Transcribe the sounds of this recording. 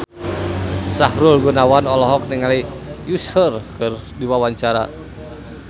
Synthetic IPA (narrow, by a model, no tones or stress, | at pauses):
sahɾʊlɡunawanɔlɔɦɔk̚nɪŋalijusərkɨrdiwawaɲt͡ʃaɾa̰